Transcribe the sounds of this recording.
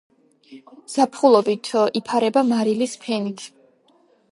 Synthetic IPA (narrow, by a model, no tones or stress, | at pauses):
z̥apʰχulˠɔbit̪ʰipʰaɾɛbamaɾilispʰɛnit̪ʰ